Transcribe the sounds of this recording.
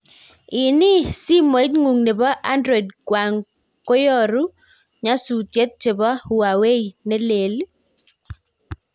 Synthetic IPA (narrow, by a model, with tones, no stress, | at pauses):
ɪ˨nɪ˦si˦mo˨i˦tŋu˨ŋne˨bɔ˦ʔa˦ndɾɔ˨i˨dkwa˨ŋ | ko˦jɔ˦˨ɾu˦ | ɲa˦su˨tje˦t̪̚t͡ʃe˨bɔ˦u˨wa˨we˦i˨ne˦le˨l